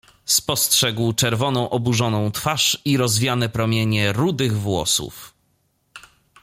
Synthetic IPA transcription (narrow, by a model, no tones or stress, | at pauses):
spɔstʂɛɡwt͡ʂɛɾvɔnɔ̃w̃ʔɔbuʐɔnɔ̃w̃t̪faʂiɾɔzvʲjanɛpɾɔmʲjeɲɛɾud̪ɘɣvwɔ̰sṵf